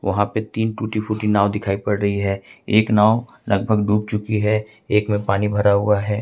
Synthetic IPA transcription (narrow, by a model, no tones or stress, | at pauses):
ʋʔɐɦãpet̪iːnʈuːʈipʰuːʈinaːwd̪ɪkʰaːipɐɽɾəɦiɦɛːeːknaːo | ləɡ̚bʱəɡɖuːk̚t͡ʃʊkiɦɛ | eːkmẽpaːnibʱəɾaɦʊaɦɛː